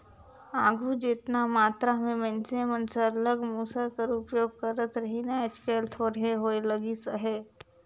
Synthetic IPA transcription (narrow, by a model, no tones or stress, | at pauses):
aːɡʱud͡ʒet̪namaːt̪ɾamẽmɛ̃nsemənsələɡmuːsakəɾʊpjoːɡ̚kəɾət̪ɾəɦinaet͡ʃkeːlt̪ʰoːɾɦeɦoːeləɡisəɦeː